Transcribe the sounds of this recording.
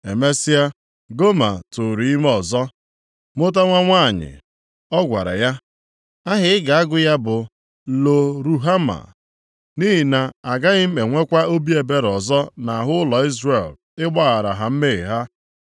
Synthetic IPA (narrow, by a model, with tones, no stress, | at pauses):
e˨me˦si˦a˦ | ɡo˦ma̰˨tʊ˨ɾi˨i˦me˦ɔ˨zɔ˦ | mʊ˦t̬a˦ŋʷa˦ŋʷa˦˨ɲɪ̰˨ | ɔ˦ɡʷa̰˨ɾa̰˨ja˦ | a˦ɦɪ˨˦ɪ˦ɡa˨a˦ɡʊ˨˦ja˦bʊ˨ | lo˨ɾu˨ɦa˦ma̰˨ | ni˦ɦi˨na˨a˨ɡa˦ɣɪ˦m̩˦me˨ŋʷe˦kʷa˦o˦bi˦e˨be˦ɾɔ˨zɔ˦na˨ɦʊ˦lɔ˨i˦zre˨l | ɪ˦ɡ͡ba˦ɣa˨ɾa̰˨ɦa˨m̩˦me˦˨ɦa˦